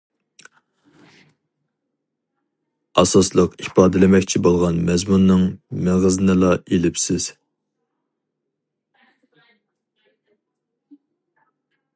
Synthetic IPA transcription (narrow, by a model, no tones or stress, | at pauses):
ɑsɑslˠəqipɑːd̪ɪlɪmɛkʲt͡ʃʰibolˠʁɑnmɛzmunːɨŋmɪʁɨzɨnɨlˠɑelɪpsɪz̥